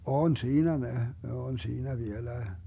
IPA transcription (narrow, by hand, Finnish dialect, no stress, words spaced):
on siːnæ ne ne on siːnæ ʋielæe